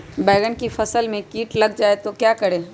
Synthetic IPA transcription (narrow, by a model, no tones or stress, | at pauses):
bɛːɡənkifɐsəlmẽkiːʈlɐɡd͡ʒaːet̪okjaːkɐɽeː